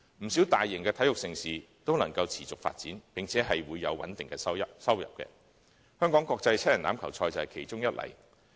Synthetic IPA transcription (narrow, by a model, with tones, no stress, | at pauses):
m̩˨˩si˨˥wt̪aː˨jːɪ˨˩ŋkɛː˧t̪ʰɐ˨˥jʊ˨k̚sɪ˧ŋsiː˨ | t̪o˥wnɐ˨˩ŋkɐ˧wt͡sʰiː˨˩t͡sʊ˨k̚fa̰ː˧t̚t͡siː˨˥npɪ˨ŋt͡sʰɛː˨˥ɦɐ˨jwuː˨˧jːɐ̰˨˧wwɐ˨˥nt̪ɪ˨ŋkɛː˧sɐ˥ɐsɐ˥wjɐ̰˨p̚kɛ̰˧ | hœː˥ŋkɔː˨˥ŋkɔː˧k̚t͡sɐ˧jt͡sʰɛ˥jɐ˨˩naː˨˥mkʰɐ˨˩wt͡sʰɔː˧jt͡sɐ˨whɛ˨jkʰe˨˩jt͡sʊ˥ŋjɐ˥t̚lɐ̰˨˩j